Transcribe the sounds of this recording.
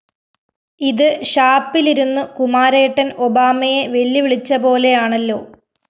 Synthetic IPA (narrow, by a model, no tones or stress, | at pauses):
iðɨɕaːpːiliɾunːukumaːɾe̞ːʈːɐno̞baːmɐje̞ʋe̞lːiʋiɭit͡ɕːɐbo̞ːle̞jaːɳɐlːo̞ː